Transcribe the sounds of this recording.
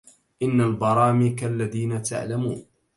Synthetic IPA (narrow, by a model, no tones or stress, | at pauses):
ʔɪnːalbɑɾˤɑːmiːkalːaðiːnat̪a̰ʕlamuːn